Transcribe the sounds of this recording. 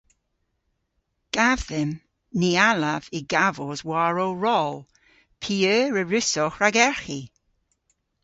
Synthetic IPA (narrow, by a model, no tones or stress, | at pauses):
ɡ̥avðɪm | nialavɪɡavozwaːɹoɹɔlˠ | pʰiːøːɹəɹʉsɔxɹaɡɛɹxi